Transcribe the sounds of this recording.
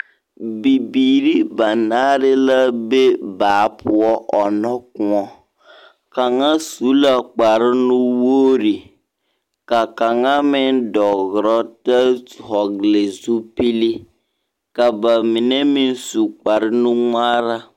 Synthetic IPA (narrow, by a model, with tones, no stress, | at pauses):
bi˨biː˨ɾi˦ba˨naː˦ɾɪ˦la˦be˦baː˨˦pʰʊ˨ɔ˦ʔɔ˨nɔ˦kʊ˨ɔ˦ | ka˨ŋa˦su˨˦la˨k͡pa˨ɾɪ˦nʊ˦woː˦ɾi˨ | ka˨ka˨ŋa˦mɪ˦ndɔ˨ɣɾɔ˦ta˦˨hɔ˨ɡle˨su˦pi˦li˦ | ka˨ba˨mi˨ne˦mɪ˦n˦su˨k͡pa˨ɾɪ˦nʊ˦ŋaː˦ɾa˦